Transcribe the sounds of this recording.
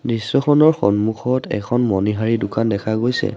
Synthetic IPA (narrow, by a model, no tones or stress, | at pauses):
nisːɔxʰɔnɔɹxɔnmuxʰɔtɛ̰kʰɔnmɔniɦaɹidʊkandɛkʰaɡojsɛ̰